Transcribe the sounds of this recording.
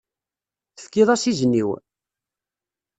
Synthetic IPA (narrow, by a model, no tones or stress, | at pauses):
θə̥fkːiðˤasizənːiw